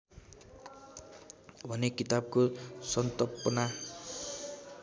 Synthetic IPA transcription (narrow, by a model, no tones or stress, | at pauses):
bʱʌnekit̪ab̚kosʌnt̪ʌpʌna